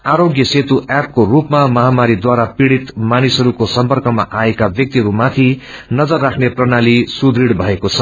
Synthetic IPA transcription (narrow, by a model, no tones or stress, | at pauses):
aɾoɡjʌset̪uʔap̚korupmamʌɦamaɾid̪waɾapiɽit̪manisɦʌɾukosʌmpʌrkʌma̰ʔaekabjʌk̚t̪iɦʌɾumat̪ʰi | nʌd͡zʌrːakʰneprʌnalisud̪ʱiɽbʱʌekot͡sʰʌ